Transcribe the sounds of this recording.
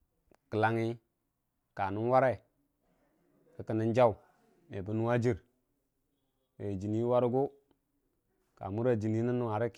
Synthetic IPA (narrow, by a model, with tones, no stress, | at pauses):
kə˨la˨ŋi˦ | ka˨nu˦n˦wa˦ɾe˦˨ | kə˦kə˨ni˦nd͡ʒa˦u˨ | me˨bi˦nu˦wa˦d͡ʒi˦ɾ | we˨d͡ʒi˨ni˦wa˦ɾu˦ɡu˦ | ka̰˨mu˦ɾa˨d͡ʒi˨ni˦ni˦nːu˦wa˨ɾi˦k